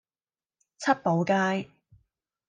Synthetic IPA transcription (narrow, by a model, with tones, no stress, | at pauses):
t͡sʰɐ˥t̚po˨˧wkaː˥j